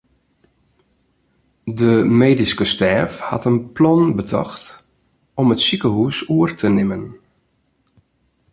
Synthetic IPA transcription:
dəmeːdiskəstɛːfha̰tənplɔnbətʰɔ̰xt | ɔmətsikəɦusuərtʰənɪmən

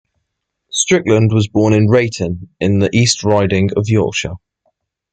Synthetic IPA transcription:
stɹ̥ɪklə̃ndwɒzbɔːnɪ̃nɹeɪtʰə̃nɪ̃nðiʔiˑstʰɹaɪdɪ̃ŋəvjɔˑkʃə

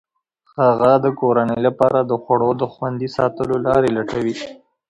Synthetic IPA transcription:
haɣad̪əkoɾanəjlapɑɾad̪əxwaɽod̪əxwand̪isɑt̪əlolɑɾelaʈawi

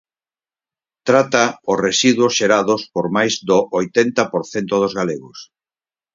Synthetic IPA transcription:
t̪ɾat̪aʊsresiðwʊsʃeɾaðʊspoɾmajzd̪oʔojt̪ent̪ɐpoɾθent̪ʊð̞ozɣaleɣʊs

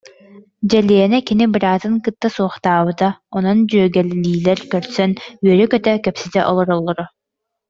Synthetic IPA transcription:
d͡ʑɛliɛnɛkinibɯɾaːt̪ɯŋkɯt̪ːasuɔχt̪aːbɯt̪aɔnɔnd͡ʑyːɡɛlːiːlɛɾkœɾsœnyœɾykœt̪œkœpsit̪ɛʔɔlˠɔɾɔlˠːɔɾɔ

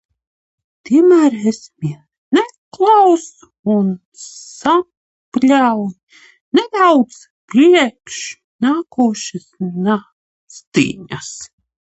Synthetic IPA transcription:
t̪iɛmæːɾesmiɛ | nɛklˠaws | un | sa | plʲaw | nɛd̪awd̪z | pɾiɛkʃ | naːkuːʃisna | st̪ḭːɲas

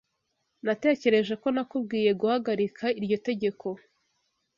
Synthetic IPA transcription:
nate̞ːce̞ɾe̞ʒe̞ko̞nakub̚ɡiːje̞ɡuhaɡaɾikʰaiɾɟo̞te̞ɟe̞kʰo̞

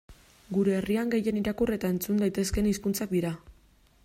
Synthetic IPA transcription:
ɡuɾe̞ːriaŋɡe̞je̞niɾakure̞t̪ae̞nt͡sund̪ajt̪e̞ske̞niskunt͡sak̚d̪iɾa

